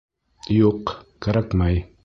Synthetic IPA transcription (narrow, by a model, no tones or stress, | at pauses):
joqkaɾakmaj